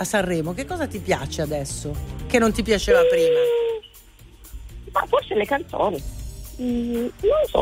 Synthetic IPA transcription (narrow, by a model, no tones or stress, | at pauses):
asarːɛːmok̟ekːɔːzat̪ipja̰ːt͡ʃead̪ɛsːok̟enːont̪ipjat͡ʃeːvapɾiːma | ma̰forselekant̪so̰ːni | nonsɔ̰